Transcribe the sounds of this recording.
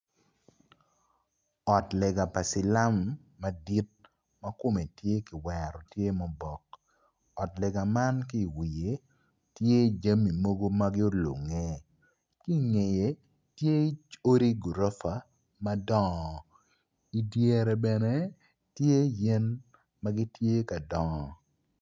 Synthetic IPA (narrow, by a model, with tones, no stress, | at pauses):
ɔ˨tlɛ˨ɡa˨pa˨sɪ˨la˦mː | a˦di˦t̚ | mɐ˦kʊ˦me˨tje˦kɪ˨wɛ˨ɾɔ˨tje˦mɔ˨bɔ˨k̚ | ɔ˨tlɛ˨ɡa˨ma˦nki˦˨wi˨je˨ | tje˦˨d͡ʒa˦mi˨mo˦ɡo˦ma˦ɡɪ˦o˦lo̰˨ŋe˦ | ki˦˨ŋe˨je˨ | tje˦i˦t͡ʃo˦ɾi˦ɡu˨ɾo˦fa˨ | ma˦dɔ˦ŋɔ˨ | i˨dje˨ɾɛ˨bɛ˨ne˦ | tje˦jɛ˦n | ma˦ɡɪ˦tje˦ka˨dɔ˨ŋɔ˨